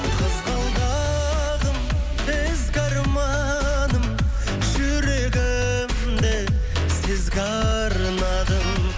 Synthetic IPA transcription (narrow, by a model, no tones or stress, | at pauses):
qʰəzqɑlˠd̪ɑ | ʁəm | bɪ | zɡɑɾmɑ | nəm | ʒʏɾeɡʲɪ | m | d̪e | sɪzɡɑ | ɾənɑd̪əm